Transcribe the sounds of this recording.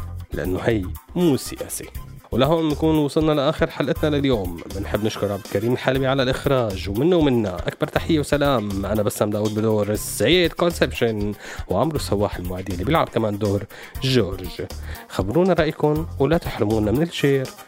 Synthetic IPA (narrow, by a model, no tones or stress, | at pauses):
la̰ʔa̰nːohajmuːsɪ̰ʔa̰ːsiwlaɦoːnnkuːnwɑsˤɨlnalaʔaːxɪɾħalʔɪt̪nalaljoːmːɪnħɪbːnɪʃkʊɾˤʕab̪kaɾiːmɪlħalbiʕalalʔɪxɾˤɑːʒwmɪnːawmɪnːaʔa̰k̚bɑɾˤt̪aħɪjːawsalaːmʔanabasːamd̪aːwʊd̪̚bɪd̪oːɾsːajeːd̪konsepʃɪnwʕamɾusːawːaːħɪlmʊʕaːd̪ijːɪlːibjɪlʕab̚kamaːnd̪oːɾ | ʒoːɾʒxabɾuːnaɾˤɑʔjkʊnwlat̪ɪħɾʊmuːnamɪnɪlʃeːɾ